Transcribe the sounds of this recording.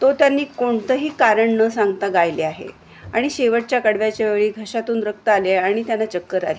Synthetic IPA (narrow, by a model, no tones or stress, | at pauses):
t̪ot̪janːiːkoɳt̪əɦiːkaɾəɳnəsaŋɡt̪aɡajleaɦḛ | aɽ̃iɕeʋəʈ̚t͡ɕjakəɽʋjat͡ɕeʋeɭiːɡʱəɕat̪uːnɾək̚t̪əaleaɽ̃it̪janːat͡ɕəkːəɾa̰le